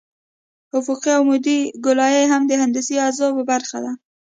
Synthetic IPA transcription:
hʊkuqiawmʊd̪iɡʊlɑjeɦamd̪əhand̪ɪsiazɑpəbaɾxa̰d̪a

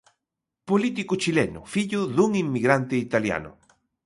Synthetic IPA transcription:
polit̪̬ikʊt͡ʃilɛnʊ̰fiʎʊðuŋimːiɣɾant̪ɪit̪alja̰nʊ̰

